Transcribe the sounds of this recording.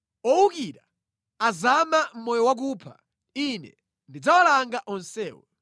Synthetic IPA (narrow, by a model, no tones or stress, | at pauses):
ɔwukiɾa | azamam̩mɔjɔwak̬uːpʰa̰ | inɛ̰ | ndid͡zawɔlaŋɡaʔɔnsɛːwɔ̰